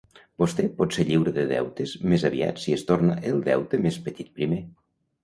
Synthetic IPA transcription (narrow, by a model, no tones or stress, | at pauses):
b̥ost̪ɛpɔt̪seʎiwɾəðəðɛ̰wt̪əzmezəβia̰t̪siest̪ornəʔelˠd̪ɛ̰wt̪əmespət̪it̪̚pɾime